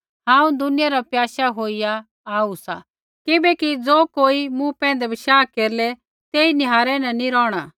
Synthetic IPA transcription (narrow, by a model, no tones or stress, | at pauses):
ɦãːũd̪ʊnɪjaɾapjaːʃaɦoːija | aːusa̰ | kɪbɛkid͡zoːkoːimũpɛ̃ːnd̪ɛbɪʃaːkeːɾlɛ | t̪eːinɪɦaːɾɛnɐ̃niɾɔːɽ̃a